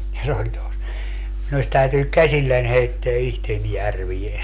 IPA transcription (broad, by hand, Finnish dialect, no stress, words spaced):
jɑ se olʲ tos minu os tæytynyk kæsʲilːæn heitːeæ ihten jærʋie